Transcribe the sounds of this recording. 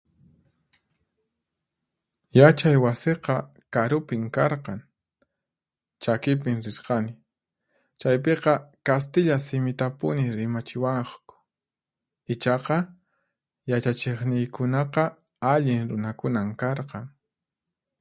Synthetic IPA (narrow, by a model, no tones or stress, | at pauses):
jat͡ʃajwaseqɑ | kaɾʊpɪŋkɑɾqɑŋ | t͡ʃakɪpɪŋɾɪsqɑnɪ | t͡ʃajp̬eqɑkast̪ɪʎasɪmɪt̪apʊnɪɾɪmat͡ʃɪwɑχkʊ̥ | ɪt͡ʃɑqɑ | jat͡ʃat͡ʃeχnɪjkʊnɑqɑ | aʎɪŋɾʊnakʊnamkɑɾqɑŋ